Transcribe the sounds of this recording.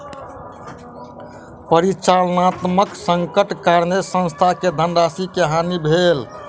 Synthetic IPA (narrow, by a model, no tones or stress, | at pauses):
pəɾit͡ʃalnat̪məksəŋkəʈkaɾnesə̃nst̪ʰaked̪ʱənɖasikeɦanibʱel